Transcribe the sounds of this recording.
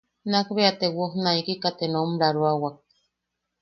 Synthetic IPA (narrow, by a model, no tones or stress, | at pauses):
nakβeat̪ewohnaikikat̪enomɾaɾuawak̚